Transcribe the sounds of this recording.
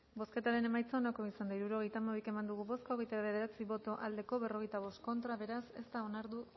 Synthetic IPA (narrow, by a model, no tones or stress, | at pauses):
bo̞ske̞t̪aɾe̞ne̞majt͡saonako̞isand̪aiɾuɾo̞ɣ̞e̞jt̪amaike̞mand̪uɣ̞uβo̞skaoɣe̞jt̪aɾaβe̞ð̞e̞ɾat͡siβo̞t̪o̞ʔald̪e̞ko̞βe̞ro̞ɣ̞e̞jt̪aβ̞o̞st̪ko̞nt̪ɾaβe̞ɾase̞st̪aonaɾðu